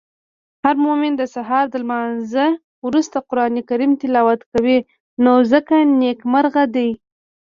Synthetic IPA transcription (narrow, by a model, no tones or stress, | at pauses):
haɾmomɪnd̪əsaɦɑɾd̪əlmɑnzə | wɾust̪aqʊɾɑnekaɾimt̪ɪlɑwat̪kawi | nozəkanekmaɾɣad̪aj